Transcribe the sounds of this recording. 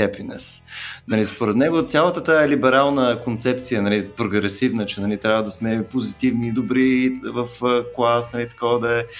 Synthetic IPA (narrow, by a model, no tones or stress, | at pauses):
ɛpinɛ̰snɐlispoɾɛt̪nɛɡot̪sʲjalˠət̪ət̪aɛlibɛɾalˠnəkont̪sɛp̚t̪sijənɐlipɾoɡɾɛsivnət͡ʃɛnɐlit̪ɾʲavvəd̪ɐsmɛpozit̪ivniːd̪obɾivəfklˠasnɐlit̪ɐ̥kɔvd̪ɐɛ